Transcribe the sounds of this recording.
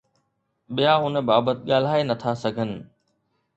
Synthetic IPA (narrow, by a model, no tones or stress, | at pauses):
ɓijaʊn̆baːbət̪̚ɠaːl̤aːenɐt̪ʰasɐɡʱənɪ̆